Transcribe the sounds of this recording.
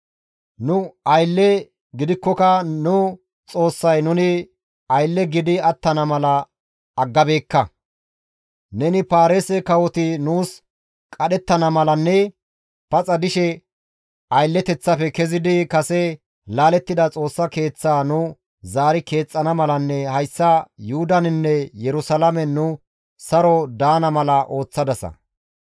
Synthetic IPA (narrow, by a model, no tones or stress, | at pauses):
nʊɐjlːɛ | ɡɪd̪ɪkːɔkɐnʊ | t͡sʼo̞ːsːɐjnʊnɪ | ɐjlːɛɡɪd̪ɪɐt̪ːɐnɐmɐlɐː | ɡːɐbe̞ːkːɐ | nɛnɪpaːɾesɛkɐwɔt̪ɪnuːs | kʼɐɗɛt̪ːɐnɐmɐlɐnːɛ | pɐt͡sʼɐd̪ɪʃɛ | ɐjlːɛt̪ɛt͡sːɐfɛkɛzɪd̪ɪkɐsɛ | laːlɛt̪ːɪd̪ɐt͡sʼo̞ːsːɐke̞ːt͡sːaːnʊ | zaːɾɪke̞ːt͡sʼːɐnɐmɐlɐnːɛhɐjsːɐjʊhʊd̪ɐnɪnːɛjɛɾʊsɐlɐmɛnʊ | sɐɾɔd̪aːnɐmɐlɐʔo̞ːt͡sːɐd̪ɐsɐ̰